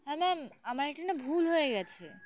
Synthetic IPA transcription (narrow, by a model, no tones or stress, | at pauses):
ɦɛmɛmamaɾek̚ʈanabʱulɦojeɡɛt͡ɕʰḛ